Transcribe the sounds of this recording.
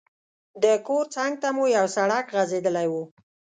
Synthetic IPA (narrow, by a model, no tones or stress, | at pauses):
d̪əkoɾt͡saŋɡ̚t̪amujawsaɽakɣazed̪əlajwu